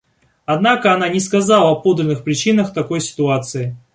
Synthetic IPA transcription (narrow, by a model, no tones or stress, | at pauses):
ɐd̪nakəɐnanʲɪskɐzalˠəɐpo̞d̪ɾʲɪnːɨxpɾʲɪt͡ɕinəxt̪ɐko̞jsʲɪ̥t̪ʊat̪sɨɪ